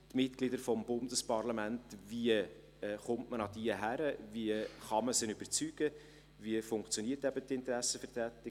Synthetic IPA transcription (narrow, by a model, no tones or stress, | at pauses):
tmɪtklidəɾfɔmbʊndəspɑɾlɑmæntviə | χʊmtmənɑdiəɦæɾəviəχɑməsɪnʏbəɾt͡syːɡ̥ə | viəfʊŋkt͡sjoniətæb̥ətɪntəɾæsːəfətɾætɪ